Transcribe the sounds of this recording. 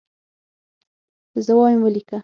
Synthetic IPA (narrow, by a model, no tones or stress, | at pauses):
zəwɑjɪmwəlika